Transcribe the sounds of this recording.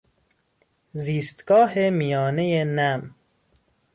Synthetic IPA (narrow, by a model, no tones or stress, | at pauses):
ziːst̪ɡ̥ɒːɦemijɒːnejenæm